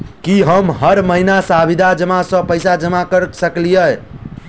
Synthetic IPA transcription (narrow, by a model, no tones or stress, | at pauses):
kiɦəmɦəɾməɦinasabʱid̪ʱad͡ʒəmasə̃pəjsad͡ʒəmakəɾsəklijə